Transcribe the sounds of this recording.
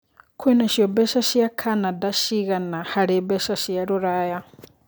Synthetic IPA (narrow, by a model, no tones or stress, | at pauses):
kʰwɛnaʃjɔbɛʃaʃjakʰanadaʃiɣanahaɾibɛʃaʃjaɾuɾaja